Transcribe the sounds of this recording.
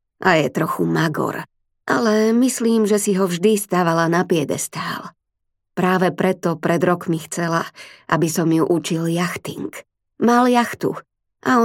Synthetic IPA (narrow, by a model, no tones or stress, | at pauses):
ʔajɛt̪ɾɔxumaɡɔ̰ɾ | ʔa̰lɛmisliːmʒɛsiɦɔvʒd̪ist̪aːʋalanapɪɛd̪ɛ̰st̪aːl | pɾaːʋɛpɾɛt̪ɔpɾɛd̪ɾɔkmixt͡sɛlaʔa̰bisɔmjuʔut͡ʃiljaxt̪iŋk | maljaxt̪ṵ | ʔa̰ɔ